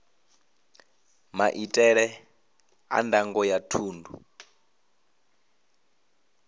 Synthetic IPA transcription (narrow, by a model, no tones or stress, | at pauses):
maʔitʼɛɺɛ | a̰ndaŋɡɔjatʰuːndu